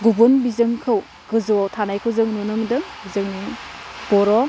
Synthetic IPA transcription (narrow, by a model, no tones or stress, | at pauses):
ɡubunbizɯŋkʰɯw | ɡɯzɔtʰanajkʰɯwzɯŋnunɯmdɯŋbizɯŋnib̥ɔɾɔ